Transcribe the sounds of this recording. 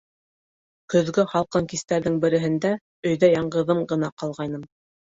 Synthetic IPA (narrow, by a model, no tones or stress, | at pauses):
kɵ̆ðɡɵχɑlˠqɤŋkist̪æɾðɘŋbɘ̆ɾɘ̆ɦɘ̆nd̪æ | ɵ̆jðæjɑɴɢɤ̆ðɤmɢɤ̆nɑqɑlˠʁɑjnɤm